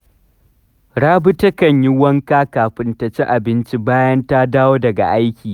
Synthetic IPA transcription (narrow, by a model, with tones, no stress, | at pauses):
ɽaː˦bʊ˦tɐ˦kɐ˨ɲjɪ˦wɐ˦ŋkaː˦kaː˨ɸɪ˦ntɐ˨t͡ʃi˦ʔa˨bɪ˦nt͡ʃi˦baː˦jɐ˦nta˦daː˦woː˦dɐ˨ɡa̰˨ʔa˦jkʲiː˨